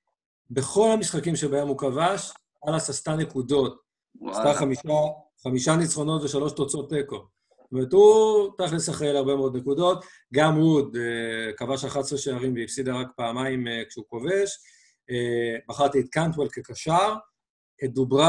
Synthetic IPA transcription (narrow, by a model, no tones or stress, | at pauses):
be̞χo̞lhamisχakimʃebaemhukavaʃ | alasast̪ane̞kudo̞t̚ | ast̪aχamiʃa | χamiʃanit͡sχo̞no̞tveʃalo̞ʃtot͡so̞tːeko | tomeʁethutiχlesaχeelhaʁbe̞meo̞d̪ne̞kudo̞t | ɡamud̪ekavaʃaχatsʁeʃeaʁimveifsidaʁakpaːmaimekʃeuko̞ve̞ʃ | ebaχaʁt̪iːt̪̚kant̪uwelkekaʃaʁ | edubʁa